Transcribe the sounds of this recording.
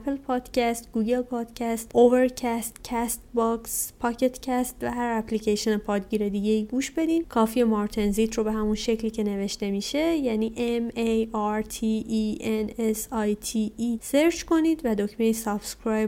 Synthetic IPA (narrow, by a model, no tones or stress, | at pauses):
æpʰelpʰɒːd̪̥cæst̪ɡuːɡe̞lpʰɒːd̪̥cʰæst̪ove̞ɾcʰæst̪cʰæst̪bɒkspʰɒːcʰe̞t̪ʰcʰæst̪væɦæɾæplicæʃionepʰɒːd̪ɟiːɾe̞d̪iːɟe̞iːɡuːʃbe̞d̪iːnkʰɒːfiemɒɾt̪ʰenziːt̪ʰrobe̞ɦæmunʃe̞cliːcʰe̞ne̞ve̞ʃt̪e̞miːʃe̞jæniːʔemejɒɾt̪ʰiiʔenesɒjt̪ʰiiseɾt͡ʃko̞niːd̪væd̪ocmejsɒbskɾɑj